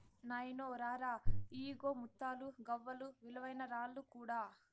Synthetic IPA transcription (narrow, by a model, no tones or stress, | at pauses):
nɐjnoːɾaːɾaːiːɡoːmut̪ːaːluɡɐʋːɐluʋilɐʋɐjnɐɾaːlːukuːɽaː